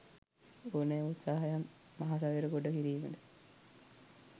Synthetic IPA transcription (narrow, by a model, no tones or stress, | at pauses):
onejut̪saːɦajamːaɦas̬aʋeɾəɡoɖəkiɾiːməd̪ə